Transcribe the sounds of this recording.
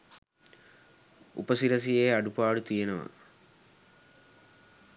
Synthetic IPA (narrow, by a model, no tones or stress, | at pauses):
ṵpɐsiɾɐs̬ijeːɐɖupaːɽut̪ijɐnɐʋɐ̰